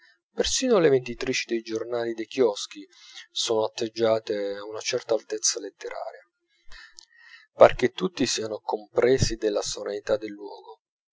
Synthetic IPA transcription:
persiːnolevend̪it̪ɾiːt͡ʃid̪ejd͡ʒornaːlid̪ejk̟jɔsk̟i | soːnoat̪ːed͡ʒːaːt̪eaunat͡ʃɛrt̪aːlt̪et̪sːalet̪ːeɾa̰ːɾja | perk̟et̪ːut̪ːisiːanokompɾɛːsid̪elːasolanit̪ad̪ːelːwɔ̰ːɡo

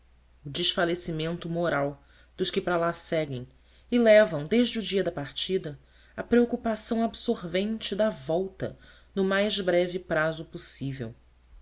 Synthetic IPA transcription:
ʊd͡ʒɪʃfalesimẽnt̪ʊmoɾaw | d̪̥ʊʃkɪpɾalasɛɡẽj̃ | ɪlɛvɐ̃w̃d̪eʒd͡ʒɪʊd͡ʒiɐd̪ɐpaɾt͡ʃid̪ɐ | ɐpɾeokupasɐ̃w̃absoɾvẽnt͡ʃɪd̪ɐvɔwt̪ɐ̰ | nʊmajʒbɾɛvipɾazʊposivḛw

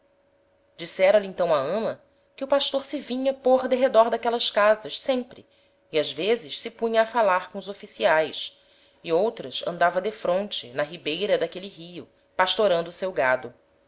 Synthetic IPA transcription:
d͡ʒisɛɾɐliẽnt̪ɐ̃w̃ɐɐ̃mɐ | kɪʊpaʃt̪oɾsɪvĩɲɐpoɾd̪eɦed̪ɔɾd̪akɛlɐʃkazɐʃsẽmpɾɪ̰ | iazvezɪʃsɪpũɲɐːfalaɾkõʊzofisiajʃ | iowt̪ɾɐsɐ̰̃nd̪avɐd̪efɾõnt͡ʃɪ̰nɐɦibejɾɐd̪akeliɦiʊ | paʃt̪oɾɐ̃nd̪ʊsewɡad̪ʊ

